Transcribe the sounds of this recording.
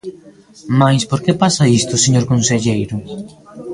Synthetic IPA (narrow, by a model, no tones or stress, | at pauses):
majspoɾkepasaist̪ʊseɲoɾkonseʎejɾʊ